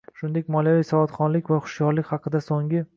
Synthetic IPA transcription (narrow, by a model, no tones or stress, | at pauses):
ʃʊnd̪e̞kʲmɒlˠjavijsɒvɒt̪χɒnlɪkʲvaχʊ̥ʃjɒɾlɪkʲhɑqʰɨd̪asoŋɪ